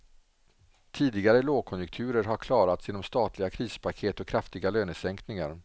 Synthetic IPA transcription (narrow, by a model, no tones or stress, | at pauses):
t̪ʰiːd̪ɪɡaɾəloːkʰɔnjʊkt̪ʰʉ̟ːɾəɾɦaɾkʰlɑːɾat̪sjɪːnɔmst̪ɑːt̪lɪɡakʰɾiːspʰakʰeːt̪ɔkʰɾaft̪ɪɡaløːnəsɛŋknɪŋa̰ɾ